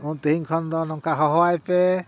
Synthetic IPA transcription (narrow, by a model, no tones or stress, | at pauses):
ut̪eɦiŋkʰɔnd̪ɔnɔŋkaɦɔɦɔajpɛ